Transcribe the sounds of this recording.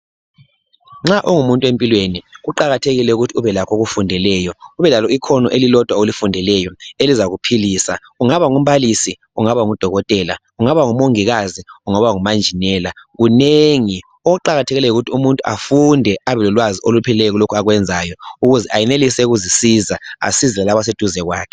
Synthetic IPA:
ŋ͡ǁaʔɔŋumuntʼwempʼilweniɣuǃaɣatʰeɣilɛuɣutʰiuβɛlakʰoɣufundʱɛlɛjɔuβɛlalɔikʰɔnɔ̰ʔelilɔd̥ʱwaolifundʱɛlɛjɔelizaɣupʰiliːsa | uŋaβaŋum̩βalisi | uŋaβaŋud̥ʱɔɣɔtʼɛla̰ | uŋaβaŋumoŋiɣaziuŋaβaŋumand͡ʒʱinɛlaɣuneŋi | ɔuǃaɣatʰɛɣilɛjuɣutʰiumuntʼuʔa̰fundʱɛaβɛlɔlwaziʔolupʰɛlɛɣulokʰuaɣwɛnd͡zʱajɔuɣuzɛʔajɛnelisɛɣuzisizaa̰sizɛlɛlaβas̬ed̥ʱuzɛɣwaːkʰɛ̥

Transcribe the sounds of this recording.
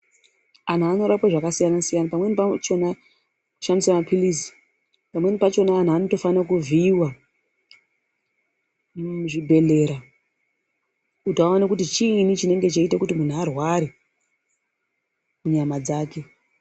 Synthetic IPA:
an̤aːno̞ɾapwaʐakasijanasijanapamwe̞nipat͡ʃo̞na | ku̥ʃamisamapilisi̥ | pamwe̞nipat͡ʃo̞naːn̤aːno̞to̞fanakuviːwa | ʐibʱe̞le̞ːɾa | utoaanakutit͡ʃiːnit͡ʃine̞ŋɡe̞t͡ʃaitakutimun̤uarwaɾi | muɲamad͡zaːke̞

